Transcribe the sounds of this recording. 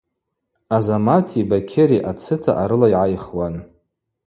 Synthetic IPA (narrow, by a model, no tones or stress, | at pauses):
azamatʰibakʲʰeɾiʔat͡sʰɨtʰa̰ʔaɾɨlaiʕajχwan